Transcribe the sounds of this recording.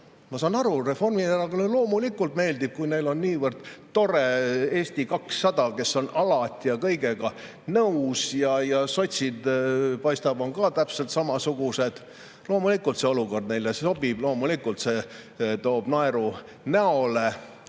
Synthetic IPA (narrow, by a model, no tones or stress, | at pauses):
mɑsɑːnɑɾure̞fo̞rmieɾɑɡɑnelo̞ːmulikːˑult̪me̞ːld̪ib̥̚kujne̞jlo̞nːiːvərd̪̥t̪o̞ɾe̞eːsʲt̪ikɑksːɑd̪̥ɑke̞sːo̞nɑlɑt̪ʲːˑijɑkɤ̞jɡe̞ɡɑ | nɤusjɑjɑso̞t̪ʲsid̪pɑjst̪ɑb̥o̞ŋkɑt̪æpse̞lt̪sɑmɑsuɡ̥use̞d̪̥ | lo̞ːmulikːˑult̪se̞o̞luko̞rd̪ne̞jleso̞bib̥lo̞ːmulikːult̪se̞t̪o̞ːb̥nɑeɾu | næo̞le